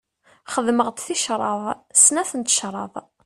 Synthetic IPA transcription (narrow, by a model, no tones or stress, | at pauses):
χəðməʁt̪θiʃɾˤɑðˤsnæθənt̪ə̥ʃɾˤɑ̰ðˤ